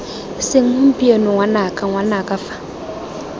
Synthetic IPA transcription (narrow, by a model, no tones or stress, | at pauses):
sɪŋ̩ʊpʼienʊŋwanakʼaŋwanakʼafḁ